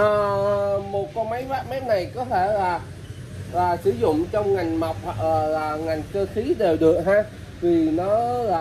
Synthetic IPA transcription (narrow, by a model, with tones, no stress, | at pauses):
ʔəː˨˩˨mo˨˩t̚kɔ˧˦ma˨˦jhwaː˦˥p̚ma˨˦j̚na˨˩jkɔ˨˦t̪ʰe˧˩laː˨˩ | laː˨˩sɨ̰˧˩zʊ̰˧˨ŋ͡mt͡ɕɔ˧wŋ͡mŋa˨˩jŋ̟ma˨˩wk͡p̚ʔəː˨˩laː˨˩ŋa˨˩jŋ̟kəː˧xi˨˦ɗe˨˩wɗɨ˨˩ək̚ɦaː˧ | vi˨˩nɔ˨˦laː˨